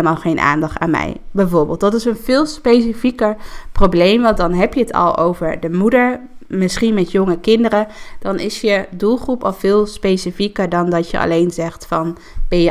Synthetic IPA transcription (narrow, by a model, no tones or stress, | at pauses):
ləmaːlˠχejnʔa̰ːndɑχta̰ːnmɛ̰jbɛjvʊːɹbɪːlˠtdɑtɪsənvɪːlˠspejsifikəɹprowblejmʋɑndɑnɦɛpjəətʰɑ̰lˠo̰wvəɹdəmudəɹmɪsχinmɛtjɔŋəkɪndəɾəd̥ɑnɪ̰sjədulˠχrupɑlv̥ɪːlˠspejsifikəɹdɑndɑtjə̰ʔɑ̰lejnzɛχtfɑn | b̥ɛə